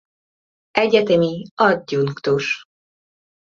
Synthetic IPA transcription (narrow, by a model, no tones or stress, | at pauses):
ʔɛɟɛt̪ɛmiɒd̪̚ɟuŋkt̪uʃ